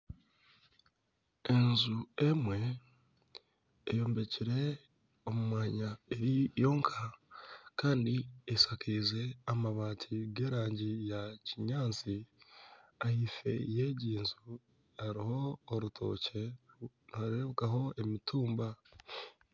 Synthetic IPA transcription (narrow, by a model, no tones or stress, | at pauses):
enzuemwe̞ | jo̞ːmbe̞ciɾe̞ | omumwaːɲae̞ɾijo̞ːŋkʰakaːndiesakʰiːze̞amaβaːtʰiɡe̞ːɾaːɲɟijaciɲaːt͡si | ahife̞̰jeɟiːnzu | aɾiho̞ːɾutʰo̞̰ːce̞ | naɾeβukaɦo̞e̞mitʰuːmba